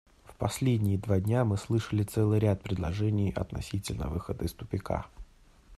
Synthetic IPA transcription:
fpɐsʲlʲedʲnʲɪjɪd̪vadʲnʲamɨslˠɨʂəlʲɪt̪sɛlˠɨjɾʲat̪̚pɾʲɪd̪lˠɐʐɛnʲɪjɐ̰t̪nɐ̰sʲitʲɪlʲnə̰vɨxəd̪əɪst̪ʊpʲɪka̰

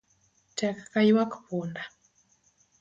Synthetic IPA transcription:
takḁkaiwaku̥punda

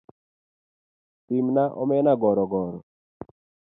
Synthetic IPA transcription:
t̪imnaʔɔmɛnaɡɔɾɔɡɔɾɔ

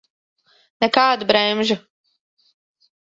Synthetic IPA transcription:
nɛkaːd̪bɾɛmʒu

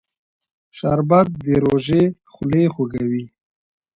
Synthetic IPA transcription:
ʃaɾbat̪̚d̪eɾoʒe | xʊlexoɡawi

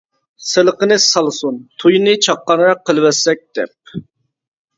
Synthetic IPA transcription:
selˠəqənɨsɑlˠsunt̪ʰujnɨt͡ʃʰɑqːɑnɨɾɑqʰːəlˠɨwɛsɛk̚ʲd̪̥ɛ̰p̚

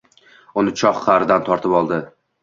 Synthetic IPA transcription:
ʊnɪt͡ʃʰɒχːʰɑɾɪd̪ant̪ʰɒɾt̪ʰɪpɒlˠd̪ɪ

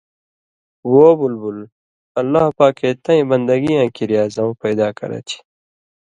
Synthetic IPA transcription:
woːbulbul | ɐlːaːhpaːkeːt̪ɐ̃ĩbɐnd̪ɐɡijãːkiɾijaːzɐ̃m̃pɐjd̪aːkɐ̰ɾɐ̰t̪ʰi̥

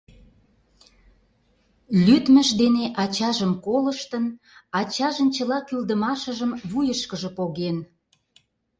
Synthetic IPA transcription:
lʲyt̪məʃd̪eneʔɑt͡ɕɑʒəmkoləʃt̪ən | ɑt͡ɕɑʒə̆nt͡ɕəlɑkyld̪əmɑʃəʒəmβujəʃkəʒə̆poɣen

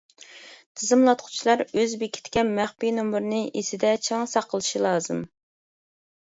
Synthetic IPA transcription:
t̪ʰɨzɨmlˠɑt̪qʰʊ̥t͡ʃʰilˠɑɾøzbekʲʰi̥t̪kʲɛmæχpinomɨɾnɨʔesɪd̪ɛt͡ʃʰɑŋsɑqʰːəlˠɨʃilˠɑːzɨm

